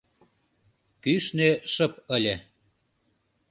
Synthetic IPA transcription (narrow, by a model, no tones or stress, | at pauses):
kyʃneʃə̆p̚əlʲe